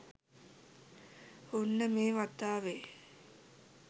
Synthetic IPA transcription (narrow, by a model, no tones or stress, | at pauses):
hunːəmeːʋat̪ːaːʋe